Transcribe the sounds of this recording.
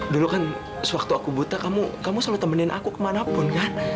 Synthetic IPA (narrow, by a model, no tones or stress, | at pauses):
dulukan | səwak̚t̪uakubut̪akamukamusalat̪əmənɪnʔa̰kukəmanapʊnkan